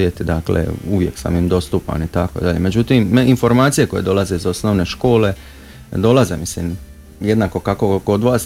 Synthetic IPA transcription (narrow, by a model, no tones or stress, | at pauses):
jet̪id̪aklḛuʋjeksa̰mimd̪o̞st̪uːpa̰nit̪ako̞̰id̪aʎeme̞d͡ʒut̪iminfo̞ɾmaːt̪sije̞ko̞je̞̰d̪o̞laze̞izo̞sno̞ʋne̞ʃko̞ːle̞ | d̪o̞laze̞mislim | je̞d̪naːko̞kakoko̞d̪ʋaːs